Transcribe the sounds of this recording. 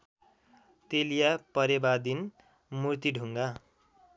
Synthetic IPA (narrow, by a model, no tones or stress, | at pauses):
t̪elijapʌɾebad̪in | murt̪iɖʱuŋɡa